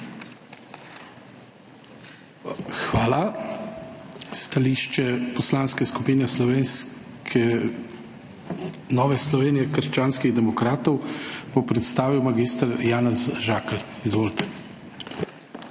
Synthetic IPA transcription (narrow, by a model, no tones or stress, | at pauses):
xʋaːla | st̪aliːʃt͡ʃɛpɔslaːnskɛskupiːnɛslɔʋeːnskʰɛ | nɔːʋɛslɔʋeːnijɛkəɾʃt͡ʃaːnskiɣd̪ɛmɔkɾaːt̪ɔwbopɾɛt̪st̪aːʋiwmaɡist̪əɾjaːnɛzʒaːkɛlizʋoːlt̪ɛ̥